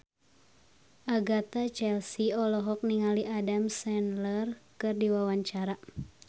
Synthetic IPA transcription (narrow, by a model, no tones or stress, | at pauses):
ʔaɡat̪at͡ʃɛlsiɔlɔɦɔk̚niŋaliʔadamsɛnlərkɨrdiwawaɲt͡ʃaɾa